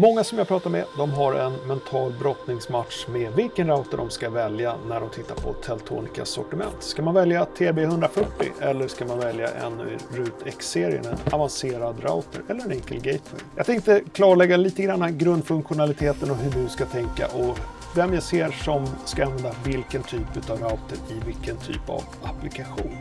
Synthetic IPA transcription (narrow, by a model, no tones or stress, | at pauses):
mɔŋːasɔmjapʰɾɑːt̪aɾmɛ̰d̪ɔmɦaɾɛnmɛnt̪ʰɑːlbɾɔt̪nɪŋsmat̪ʂmɛvɪlkənɾaʊt̪əɖɔmskavɛljanæɖɔmt̪ʰɪt̪ːa̰ɾpʰɔ̰t̪ʰɛlt̪ʰṵːnɪka̰sɔ̰ʈɪmɛ̰nt̪skamanvɛljat̪ʰeːbeːhɵnd̪ɾafœʈːɪ̰ʔɛlːəʂkamanvɛlja̰ʔɛ̰nɵ̰ɪɾʉ̟ːt̪ʰɛkseːɾɪə̰nɛnavanseːɾad̪ɾa̰ʊt̪ʰəɾɛlːəɾɛnɪŋkəlɡɛjt̪ə̰ɾjjɑːɡt̪ʰɛŋk̚t̪əkʰlɑːɭɛɡːaɛliːt̪əɡɾanːaɡɾɵnd̪fɵŋkɧʊnalɪt̪ʰeːt̪ənɔɦɵɖɵskat̪ʰɛŋka̰ʔɔ | vɛmjaseːɾʂɔmskaanvɛnd̪avɪlkənt̪ʰyːpʉ̟ːt̪avɾaʊt̪əɾɪvɪlkənt̪ʰy̰ːpa̰v | aplɪkaɧṵːn